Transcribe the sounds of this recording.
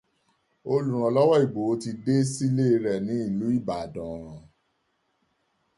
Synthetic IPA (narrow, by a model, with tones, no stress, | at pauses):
o˧lu˨ɾ̃ã˧lɔ˦wɔ˦i˦˨ɡ͡bo˨˦ti˧de˦si˦le˦˧ɾɛ˨nĩ˨˦i˦˨lu˨˦i˦˨ba˨dã˨